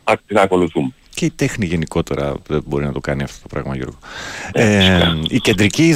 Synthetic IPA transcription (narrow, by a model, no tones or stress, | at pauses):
ɐinɐko̞luθumeceit̪e̞xniʝe̞niko̞t̪e̞ɾɐ̰ðebo̞ɾinɐt̪o̞kɐniɐft̪o̞t̪opɾɐ̰ɣmɐ̰ʝo̞̰ɾɣoeice̞nd̪ɾici